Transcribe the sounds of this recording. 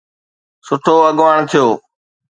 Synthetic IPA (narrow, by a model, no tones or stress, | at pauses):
sʊʈʰoːəɠʋaːɳt̪ʰɪjoː